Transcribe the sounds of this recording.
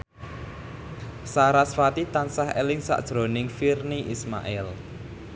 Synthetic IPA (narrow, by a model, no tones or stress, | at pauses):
saɾasfat̪it̪ansahɛ̰lɪŋsa̰ʔd̥ʒ̥ɾo̤nɪŋfirniʔisma̰ʔɛl